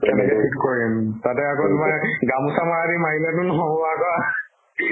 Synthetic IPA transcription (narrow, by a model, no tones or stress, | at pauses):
kɛnɛkɛpʰitkoɹimtatɛakɔtmaɡamusamaadimaɦilatʊnɔɦɔbɔakɔa